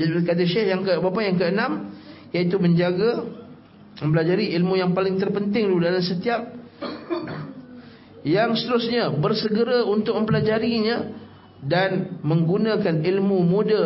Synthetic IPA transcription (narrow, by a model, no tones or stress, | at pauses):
kat̪̬aʃɛhjaŋkəbapajaŋkəənãmjait̪umə̃ɲd͡ʒaɡa | mə̃mpəlad͡ʒaɾiilmujaŋpalɪŋt̪ərpənt̪ɪŋd̪udalamsət̪iap̚ | jaŋsə̥t̪əɾusɲãbərsəɡəɾaunt̪ʊk̚mə̃mpəlad͡ʒaɾiɲã | danmə̃ŋɡunãkanilmumũda